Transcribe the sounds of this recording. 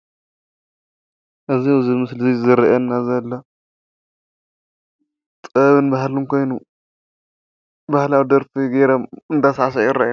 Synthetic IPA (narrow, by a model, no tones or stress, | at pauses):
ʔɨziwzimɨslizizɨɾɐʔɐnːazɐlːɐ | t̪ʼɐβɨnbaɦlumkʰo̞jnu | bahlawd̪ɐɾfiɡeɾɐmɨnd̪asʕs̬ajuɾɐ̰ʔa